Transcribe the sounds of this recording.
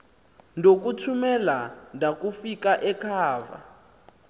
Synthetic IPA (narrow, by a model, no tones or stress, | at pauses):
ndʱok̬utʰumɛlandʱakufikaʔɛkʰaːva̰